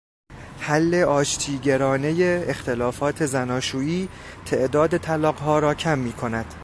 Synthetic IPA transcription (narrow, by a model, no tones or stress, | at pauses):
hælːe̞ɒːʃt̪ʰiːɟeɾɒːne̞jeːxt̪ʰe̞lɒːfɒːt̪ʰe̞zænɒːʃuːiː | t̪ʰe̞ʔd̪ɒːd̪e̞t̪ʰælɒːɢɦɒːɾɒːcʰæmːiːkʰo̞næd̪̥